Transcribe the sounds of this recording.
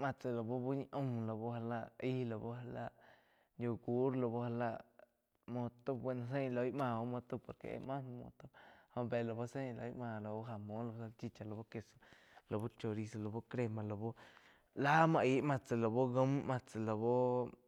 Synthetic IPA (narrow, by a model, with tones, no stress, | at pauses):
mã˧t͡se˨lo˨bo˦bo˦ɲ˧ʔõ˧mlo˨bo˦ha˧la˧ʔi˦lo˨bo˦ha˧la˧ʔ | jo˧˨ɡu˦ɾlo˧bo˦ha˧la˧˨ʔ | mõ˧t̪o˦be˧na˧s̬e˦˧lo˧jmã˧˨o˦mõ˧t̪u˧po˨ɾkḛ˨ḛ˧mã˦n˧mo̰˧t̪o˧ho˧be˨lo˨bo˦se˦ɲ˧lo̰˧i˦ʔmã˧˨lo˨bo˦ɦa˧mõ˦lo˧o˧sa˧t͡ʃi˧t͡ʃa˧lo˨bo˦ke˧so̥˧ | lo˨bo˦t͡ʃo˧ɾi˧so˧˨lo˨bo˦kɾe˧mã˧lo˨bo˦ | la˦mã˧ʔi˧˦mã˧t͡sa˨lo˨bo˦ɡə˦mmã˧t͡se˨lo˨bo˦